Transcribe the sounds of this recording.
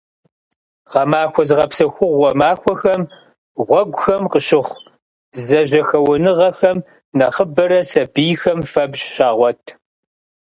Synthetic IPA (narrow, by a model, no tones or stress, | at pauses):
ʁɐmaːxʷɔzɨʁɐpsɐxʷʊʁʷːɔmaːxʷɔxɐm | ʁʷɔɡʷʊxɐmqəɕɪχʷ | zɐʑɐxɐwʊnɨʁɐxɐm | nɐχəbɐɾɐsɐbiːxɐmfɐbɕʃaːʁʷɔtʰ